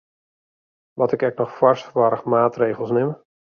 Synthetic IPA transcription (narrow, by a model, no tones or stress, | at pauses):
ʋɔtɪkɛk̚nɔxfwaɹstfʋɔɾəxmaːtreːɣəl̩ˠsnɪm